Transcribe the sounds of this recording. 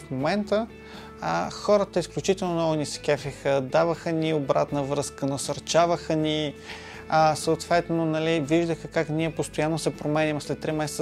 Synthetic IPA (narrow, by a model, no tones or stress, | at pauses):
fmomɛnt̪ə | xɔɾət̪əisklʲut͡ʃit̪ɛlˠnonɔɡʊniskɛfʲixəd̪avəxəniobɾat̪nəvɾɤskənɐsəɾt͡ʃavəxəni | əsəʊt̪vɛt̪nonɐliviʒd̪əxəkakniɛpost̪ojanːosɛpɾomɛnʲimslɛt̪ːɾimɛsɛ